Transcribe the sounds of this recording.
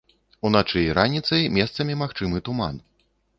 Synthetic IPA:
unat͡ʂɨjɾanʲit̪sɐjmʲɛst̪sɐmʲimaxt͡ʂɨmɨt̪uman

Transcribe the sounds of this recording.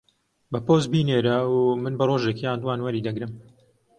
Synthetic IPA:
bɐpoːz̚biːneːɾɐumɨnbɐroːʒekjaːnd̪uwaːnwɐɾiːd̪ɐɡɾɨm

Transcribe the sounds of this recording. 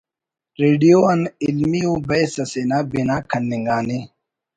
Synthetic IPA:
ɾeːɖijoɐnilmiubɐjsɐsenabinaːkʰɐnːiŋɡaːne

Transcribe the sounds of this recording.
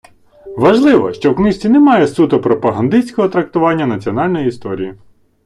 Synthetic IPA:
ʋɐʒlˠɪʋɔʃt͡ʃɔwknɪsʲt͡sʲinɛmɑjɛsut̪ʊpɾɔpɐɦɐnd̪ɪsʲkɔɦɔt̪ɾɐk̚t̪ʊʋɑnʲːɐnɐt͡sʲiɔnɑlʲnɔjiist̪ɔɾʲiji

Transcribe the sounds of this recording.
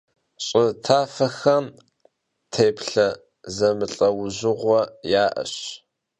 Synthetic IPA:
ɕʼɪtʰaːfɐxɐm | tʰeːpɬɐ | zɐmɨɬʼɐwʊʑʊʁʷɔjaːʔɐ̰ɕ

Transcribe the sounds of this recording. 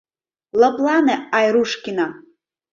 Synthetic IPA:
lablˠanɨajɾuʂkʲina

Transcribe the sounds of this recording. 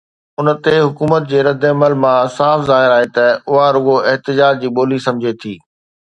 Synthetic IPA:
ʊnə̆t̪eɦʊkuːmət̪̚d͡ʑeːɾɐd̪ɐməlmãsaːfzaːɦɪɾaːɦet̪ɐʊɦaɾʊɡoɪɦt̪ɪd͡ʑaːd͡ʑd͡ʑiːɓoːlisɐ̃md͡ʑʱet̪ʰiː

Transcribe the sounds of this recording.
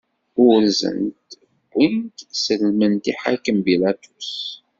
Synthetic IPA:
ʊɾzə̰nt̪ | ɡʷːint̪səlmənt̪iħakːənbilæt̪us

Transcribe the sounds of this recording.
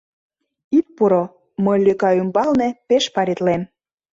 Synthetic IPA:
it̪̚puɾo | mɤjløkɑymbɑlnĕpeʃpɑɾit̪lem

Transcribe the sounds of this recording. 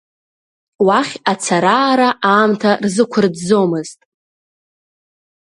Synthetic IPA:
waχʲat͡sʰaɾaːɾaʔaːmtʰarzɨkʷʰʊrdzo̞mɨztʼ

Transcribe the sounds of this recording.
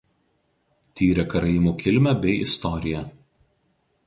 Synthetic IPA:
t̪ʲiːɾʲɛkɐɾɐɪmuːkʲɪlʲmʲɛbʲɛɪʔɪst̪ɔɾʲɪjɛ

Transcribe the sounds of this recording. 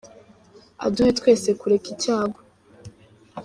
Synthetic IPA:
a̰duhetkwe̞ːse̞kuɾekicaːɡo

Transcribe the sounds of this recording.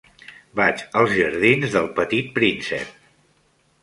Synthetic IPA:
bat͡ʃəlˠzʒəɾðinzðəlˠpət̪it̪̚pɾinsɛ̰p̚

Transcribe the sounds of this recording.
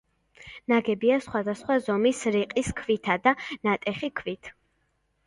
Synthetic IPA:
naɡɛbiasχwad̪asχwazɔmisɾiqʼiskʰvit̪ʰad̪anat̪ʼɛχikʰvit̪ʰ

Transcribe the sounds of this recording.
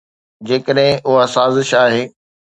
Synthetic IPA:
d͡ʑeːkəɗɦɪ̃ʔʊɦasaːzɪʃaːɦeː

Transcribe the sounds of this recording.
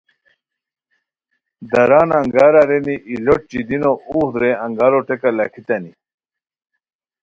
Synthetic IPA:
d̪ɐɾaːnɐŋɡaːɾaɾeniʔiloʈ̚t͡ɕid̪inoud̪ɾeɐŋɡaːɾoʈekalakʰit̪ɐni

